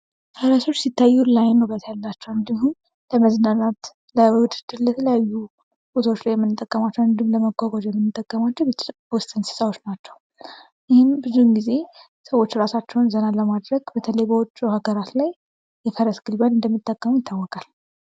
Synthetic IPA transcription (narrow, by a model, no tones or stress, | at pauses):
fəɾəso̞t͡ʃːsit̪ʰːajːulajnːəwbət̪ʰajalːat͡ʃːɛwɨnd̪ihun | ləməznənat̪ | lajbəwɨt̪ɨd̪ɨɾləɛt̪ʰələjajːu | bot̪ʰwot͡ʃːlajɛmːɨnːɨt̪ʼːəkʼːəmat͡ʃːɛwɨnd̪ɨmləməɡʷaɡʷad͡ʒjɛmːɨnːɨt̪ʼːəkʼːəmat͡ʃːɛw | wst̪ʼɨnsɨ̥sawot͡ʃːnat͡ʃːɛw | jɪhɪnbɨzunɡize̞ | səwo̞t͡ʃːɾasat͡ʃːɛwnzənaləmad̪ɾəɡbət̪ʰələjbəwɔt͡ʃʼːuhaɡəɾat̪laj | jɛfəɾəsɡ̥ɨlbanɨnd̪əmːit̪ʼːəkʼːəmujɪt̪ʰːawːɔkʼal